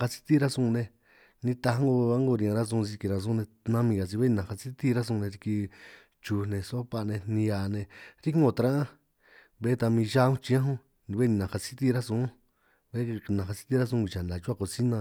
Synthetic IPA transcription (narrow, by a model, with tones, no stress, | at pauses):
ka˧si̥˦t̪i˦˧ɾa˦sũ˧nẽ˧ | nĩ˧t̪a˧ha˦ŋɡo˧a˦ŋɡo˧ɾi˧ã˧ɾa˦s̬ũ˧s̬i˧ki˧ɾã˧s̬ũ˦˧nẽ˧ | nã˦mĩ˧ɡa˨s̬i˧βe˦nĩ˧nã˨ka˧si˦t̪iː˦˧ɾa˦s̬ũ˧nẽ˧ɾi˧ki˧ | t͡ʃu˧nẽ˧so˦pa˧nẽ˧n̥nĩ˧a˨nẽ˧ɾi˦õ˧˨t̪a˧ɾã˦ʔã˦ | βe˧˦t̪a˧mĩ˧ʃa˦ũ˧t͡ʃĩ˧˦ã˦ɦũ˦ | nĩ˧βe˦˧ĩ˧nã˨ka˧si̥˦t̪i˦˧ɾa˦sũ˧˦ | βe˦˧nã˨ka˧si̥˦t̪i˦ɾa˦s̬ũ˧˦˧i˨t͡ʃa˨nd̪a˨t͡ʃu˦a˦˧ko˨si˦nã˧